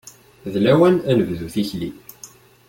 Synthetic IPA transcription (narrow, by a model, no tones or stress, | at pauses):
ðlæwænænəvðuθiçlḭ